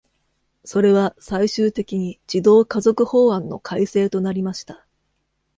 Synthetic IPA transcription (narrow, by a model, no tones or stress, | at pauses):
so̞ɾe̞βasaiɕɨːt̪e̞kʲiɲ̟id͡ʑ̥id̪o̞ːkazo̞kɯ̟ho̞ːãnːo̞̰kʰaise̞ːt̪o̞naɾʲimaɕi̥t̪a